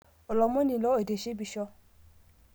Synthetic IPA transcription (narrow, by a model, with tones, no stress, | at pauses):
ɔ˨lɔ˨˧˦mɔ̃˦nĩ˧˦˨lɔ˨˦o˦˨de˨ʃe˦bi˧ʃɔ˧